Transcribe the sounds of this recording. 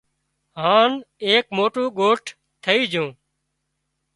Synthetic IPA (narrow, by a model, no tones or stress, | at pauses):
ɦaːneːkmoːʈũːɠoːʈʰ | t̪ʰəiːd͡ʒʱõː